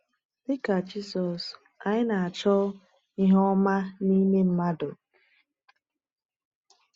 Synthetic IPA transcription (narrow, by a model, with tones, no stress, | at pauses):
bɪ˦ka˨d͡ʒi˦sɔ˨s | a˨ɲɪ˦na˨a˨t͡ʃɔ˦ | i˦ɦɔ˦ma˦ni˦me˦m̩˦ma˦dʊ˨